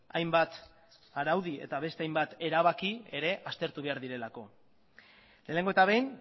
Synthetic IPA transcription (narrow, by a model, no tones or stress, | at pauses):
ajmbat̪ | aɾawðie̞̰t̪aβ̞e̞st̪e̞ajmbat̪e̞ɾaβakie̞ɾe̞ʔast̪e̞ɾt̪uβe̞aɾðiɾe̞lako̞ | le̞ːne̞ŋɡoe̞t̪aβe̞jn